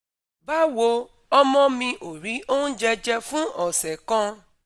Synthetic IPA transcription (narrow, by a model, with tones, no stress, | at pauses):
ba˦wo˧˦ | ɔ˧mɔ̃˧mĩ˧ʔo˨ɾi˨˦ʔo˦nũ˦d͡ʒɛ˧d͡ʒɛ˧fũ˦ʔɔ˨sɛ˨kɔ̃˧